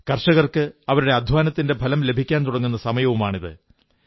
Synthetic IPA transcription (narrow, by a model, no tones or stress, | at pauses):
kɐrʂɐɣɐrkɨɐʋɐɾuɽe̞ɐd̪ʱʋaːnɐt̪ːindebʱɐlɐmle̞bʱikʲːaːnt̪uɽɐŋːunːɐsɐmɐjɐʋumaːɳiðɨ̰